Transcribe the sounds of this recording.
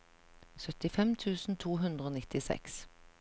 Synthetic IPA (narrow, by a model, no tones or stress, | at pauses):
sœt̪ɪfɛmt̪ʰʉːsn̩t̪ʰuːɦʉnd̪ʁəoːnɪt̪ɪsɛ̰ks